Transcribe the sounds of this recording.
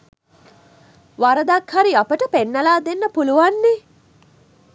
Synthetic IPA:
ʋaɾɐd̪akhaɾiɐpəʈəpenːɐlaːd̪enːɐpuluʋanːe

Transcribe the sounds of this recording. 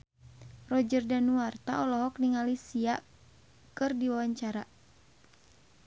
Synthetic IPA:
rɔd͡ʒərdanuart̪aɔlɔɦɔk̚niŋalisia | kɨrdiwawaɲt͡ʃaɾa

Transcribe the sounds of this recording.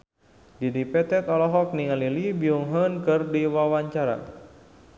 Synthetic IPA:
didipɛt̪ɛt̪ɔlɔɦɔk̚niŋalilibiuŋɦənkɨrdiwawaɲt͡ʃaɾa̰

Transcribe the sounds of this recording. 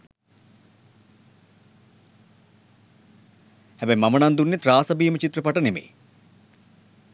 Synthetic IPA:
hæbɛjmamənand̪unːet̪ɾaːsɐbiːmət͡ʃit̪ɾəpaʈənemḛj

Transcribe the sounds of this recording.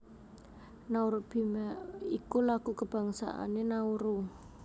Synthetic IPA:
nauɾub̥imaikulaɡ̥ukəb̥a̤ŋsa̰ʔa̰nenauɾu

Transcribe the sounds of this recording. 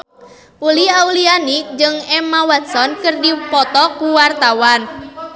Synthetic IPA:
puliawlianid͡ʒɨŋɛmawat̪̚sɔnkɨrdipɔt̪ɔkuwart̪awan

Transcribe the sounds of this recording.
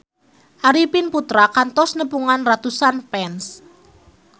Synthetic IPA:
ʔaɾipinput̪ɾakant̪ɔsnəpuŋanrat̪usanpɛns

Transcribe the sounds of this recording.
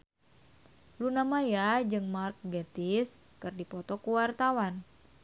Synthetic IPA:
lunamajad͡ʒɨŋmark̚ɡat̪is | kɨrdipɔt̪ɔkuwart̪awan

